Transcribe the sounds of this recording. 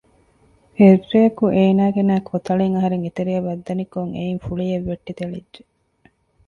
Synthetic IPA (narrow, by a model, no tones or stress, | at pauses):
herːejɐkuʔeːnaːɡenæːkʰot̪ɐɭeŋɐɦɐɾeŋit̪eɾijɐʋɐd̪ːɐnikoŋḛinfuɭieʋːeʈːit̪elidd͡ʒe